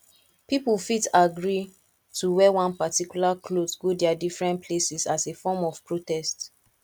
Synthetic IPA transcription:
pipulfitaɡɹi | tʰuwɛwãnpatikjulakʰlosɡodɛadifɹɛ̃npʰlesisasefɔmɔv̥pɹotɛst

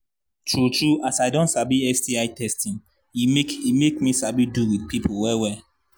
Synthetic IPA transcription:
t͡ʃut͡ʃuasajdõnsabiɛstiajtɛstĩn | imekimekmisabiduwidpipʰowɛwɛ

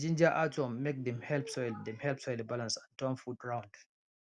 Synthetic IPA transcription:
d͡ʒĩnd͡ʒaʔatɔmːek̚dɛ̃mhɛlpsɔjldɛ̃mhɛlpsɔjlibalãnsɔ̃ntɔ̃nfudɹãw̃nd

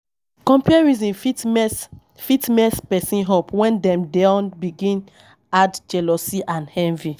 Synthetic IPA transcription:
kɔ̃mpuɛɹizĩnfis | fitnɛspɛsĩnɦopwɛ̃ndɛ̃mdaʊnbiɡĩn | add͡ʒɛlɔsiʔãnhɛ̃nvi

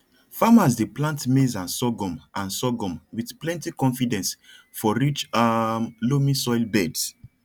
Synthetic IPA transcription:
famazdeplãntmezãnsɔɡɔ̃mʔãnsɔɡɔ̃mwiθplɛ̃ntikɔ̃nfidɛ̃ns | fɔɹit͡ʃamlomĩsɔjlbɛds

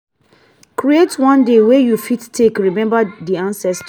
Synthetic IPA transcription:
kɹietwʌ̃ndewejufittʰːekɹimɛ̃mbədiãnsɛst

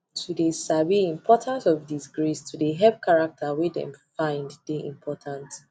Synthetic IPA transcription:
tʰudesabiĩmpʰɔtʰãnsɔvdisɡɹistʰudeɦɛp̚kʰaɹak̚tʰawidɛ̰̃mfãɪ̃nddeḭ̃mpʰɔtʰãnt

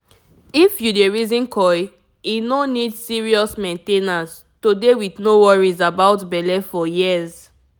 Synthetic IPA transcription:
ifjudeɹizĩnkʰɔj | inõnidsiɹiɔsmɛ̃ntenas | todewiθnowɔɹizabaʊtbɛlɛfɔjiəz

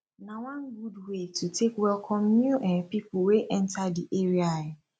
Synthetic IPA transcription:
nãwãnɡudwetʰutʰekwɛlkʰɔ̃mːuʔɛ̃npipoweʔɛ̃ntʰadiʔeɾiajɪ

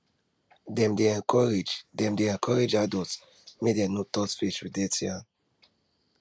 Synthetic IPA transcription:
dɛ̃mdeɛ̃nkʰɔɹed͡ʒdɛ̃mdeɛ̃nkʰɔɹed͡ʒadɔt | medɛnotɔtfit͡ʃwidɛtʰiãn

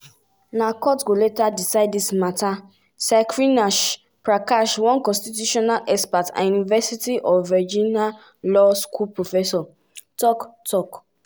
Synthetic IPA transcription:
nakɔtɡoletadisaɪdismata | sakɹinaʃ | pɹakaʃwɔ̃nkɔ̃stitjuʃɔnalɛspata̰junivɛsitiʔɔvɛd͡ʒĩna | lɔskʰulpɹofɛsɔ | tɔktʰɔk

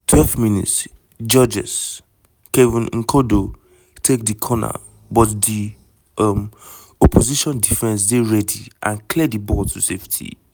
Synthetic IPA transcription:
tʰwɛlvminḭts | d͡ʒɔd͡ʒɛ̰s | kevĩnŋ̩kʰodo | tʰek̚dikʰɔna̰ | bɔtdi | m | ɔpʰoziʃɔ̃ndifɛ̃ns̬deɹɛdḭʔã̰nklɛdibɔtuseftʰḭ

